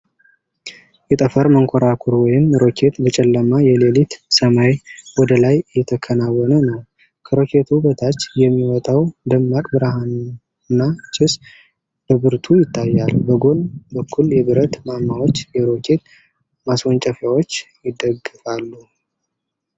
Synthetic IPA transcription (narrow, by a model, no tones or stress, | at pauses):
jɛt̪ʼəfəɾməŋkʰoɾakʰuɾwɔjɪmɾo̞kʰe̞t̪bət͡ʃʼɛlːəmajɛlelit̪səmajwɔd̪əlajjɛt̪ʰəkʰənawɔnənəw | kʰəɾo̞kʰe̞t̪ʰubət̪ʰat͡ʃːjɛmːiwɔt̪ʼawd̪əmːakʼbɨɾahan | nːat͡ʃʰɪs | b̥əbɨɾt̪ʰujɪt̪ʰːajːalbəɡo̞nbəkʰːuljɛβɨɾət̪mamːawot͡ʃːjɛɾo̞kʰe̞t̪ | maswont͡ʃʼəfjawo̞t͡ʃːjɪd̪əɡɨfʼalːu